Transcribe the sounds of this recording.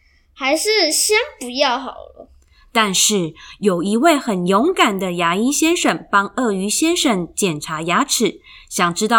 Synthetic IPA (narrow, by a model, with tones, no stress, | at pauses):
xa˧˥ɪʂɻ̩˥˩ɕjɛ˥npu˧˥jɑ˥˩ʊxɑ̰˨˩ʊlə̰˦ | t̪a˥˧nʂɻ̩˥˩jo˨˩ʊi˧˥we˥˩ɪxə˨˩njo˧˥ŋka˨˩nd̪ə˦ja˧˥i˥nɕjɛ˥nʂə˥˨˩ŋpɑ˥ŋɤ˥˩y˧˥ɕjɛ˥nʂə˥˩ŋt͡ɕjɛ˨˩nʈ͡ʂʰa˧˥ja˧˥ʈ͡ʂʰɻ̩˨˩˦ɕjɑ˨˩ŋʈ͡ʂɻ̩˥t̪ɑ˥˨˩